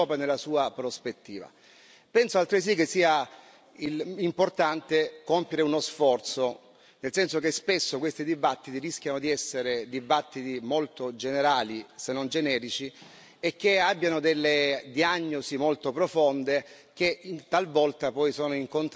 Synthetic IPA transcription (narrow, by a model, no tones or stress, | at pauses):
ɔːpenelːasuːapɾospet̪ːḭːva̰ | pɛnsoalt̪ɾes̬ikesːiːa | ilimport̪ant̪ekompjeɾeunosfɔrt̪so | nelsɛnsokespesːokwest̪id̪ibat̪ːit̪iɾisk̟ʲjanod̪iɛsːeɾed̪ibat̪ːit̪imolt̪od͡ʒeneɾaːlisenːond͡ʒenɛːɾit͡ʃi | ek̟ːeabːjanod̪elːed̪iaɲːosimolt̪opɾofond̪e | k̟et̪ːalvɔlt̪apɔjsoːnoiŋkont̪